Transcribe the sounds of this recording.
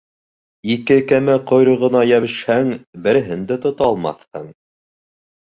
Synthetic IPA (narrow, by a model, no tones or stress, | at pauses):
ikɘkæmɘqŏjɾɤ̆ʁɤ̆nɑjæβɘ̆ʃhæŋbɘ̆ɾɘ̆ɦɘnd̪ɘt̪ŏt̪ɑlˠmɑ̰θhɤɴ